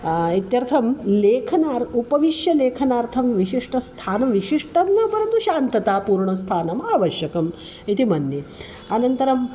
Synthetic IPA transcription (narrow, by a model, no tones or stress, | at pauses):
it̪jɐɾt̪ʰɐmleːkʰɐnaːɾtupɐʋiʂjɐleːkʰɐnaːɾt̪ʰɐmʋiʃiʂʈɐst̪ʰaːnɐmʋiʂiʂʈɐmnɐpɐɾɐnt̪uʃaːnt̪ɐt̪aːpuːɾɳɐst̪ʰaːnɐmaːʋɐʃjɐkɐm | it̪imɐnje | ɐnɐnt̪ɐɾɐm